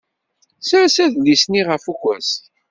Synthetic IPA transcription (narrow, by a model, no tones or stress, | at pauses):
sɾæsæðlisniʁəfukʷːæs